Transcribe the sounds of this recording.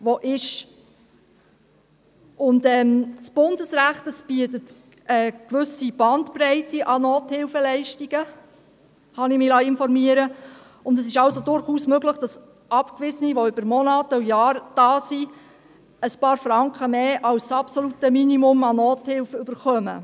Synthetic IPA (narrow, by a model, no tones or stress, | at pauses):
ʋoʔɪʃ | ʊndɛːmsb̥ʊndəsɾæχtəsbiətət | ɛkʋʏsib̥ɑntpɾɛɪtiʔɑnoːthɪlfəlɛɪʃtiɡ̥ə | hɑnɪmɪlɑːɪnfɔɾmiəɾə | ʊndɛsɪʃɑwsodʊɾχuːsmøɡləχd̥ɑs | ʔɑpkʋɪzəniʋoʏbəɾmɔnɑːtəujɑːɾd̥ɑːsi | əspɑːɾfɾɑŋkχəmeːʔɑwsːɑpsolutəminimʊmɑnoːthɪlfəyb̥əɾχœmə̰